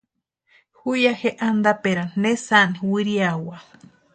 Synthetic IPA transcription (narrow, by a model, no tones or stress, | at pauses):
hujaheʔand̪apeɾanesaniwiɾiawa